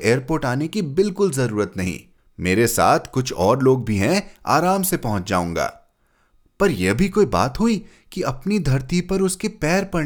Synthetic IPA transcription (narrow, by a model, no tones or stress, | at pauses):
eːəɾpoːɾʈaːnekibɪlkʊlzɐɾuːɾət̪nɐɦḭ̃ | meːɾesa̰ːt̪ʰkʊt͡ʃʰɔːɾloːɡ̚bʱiɦɛ̃a̰ːɾaːmsepɐɦʊ̃t͡ʃd͡ʒa̰ːṵ̃ːŋɡa̰ː | pɐɾjebʱikoːiba̰ːt̪ɦʊi | kiɐpnid̪ʱɐɾt̪ipɐɾʊskepɛːɾpɐ